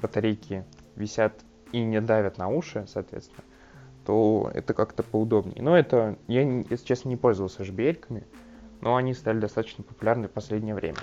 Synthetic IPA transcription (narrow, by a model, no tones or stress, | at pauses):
bɾət̪ɐɾʲejkʲʰɪ | vʲɪsʲat̪ | inʲɪd̪avʲət̪nɐuʂɨsɐːt̪vʲet̪st̪ʲɪnə | t̪o̰ɛ̰t̪əkakt̪əpəʊd̪o̞bnʲɪ̰jə̰noɛt̪əjajesʲɪt͡ɕesnənʲɪpo̞lʲzəvəlˠsʲəʐɨbʲɪelʲkəmʲɪnʔoɐnʲist̪lʲɪd̪ɐst̪at̪ə̥t͡ɕnəpə̥pʊlʲarnɪfpɐsʲlʲedʲnʲɪjəvɾʲḛmʲə̰